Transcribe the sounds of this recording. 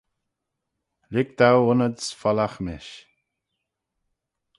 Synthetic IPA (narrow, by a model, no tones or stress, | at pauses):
ɾɪkt̪awʊnəd̪sfɔlaxmɪʃ